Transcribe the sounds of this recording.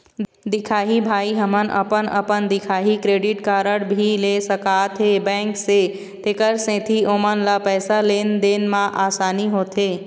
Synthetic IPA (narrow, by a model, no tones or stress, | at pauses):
d̪ɪkʰaːɦibʱaːiɦəmənʔə̰pənə̰pənd̪ɪkʰaːɦikɾeːɖɪʈkaːɾəɽbʱilesəkaːt̪ʰɦebɛ̃ːŋkse | t̪ekəɾsẽt̪ʰiʔomənlapɛːsaleːnd̪enmãʔaːsaːniɦoːt̪ʰeː